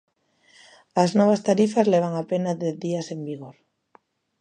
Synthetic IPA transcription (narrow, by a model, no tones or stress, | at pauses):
aznɔβ̞ast̪aɾifazleβ̞aŋapenaðeθðiasembiɣoɾ